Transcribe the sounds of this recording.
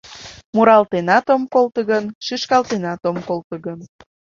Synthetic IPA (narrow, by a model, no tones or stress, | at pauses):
muɾɑlt̪enɑt̪omkolt̪əɣənʃiʃkɑlt̪enɑt̪omkolt̪ə̆ɣən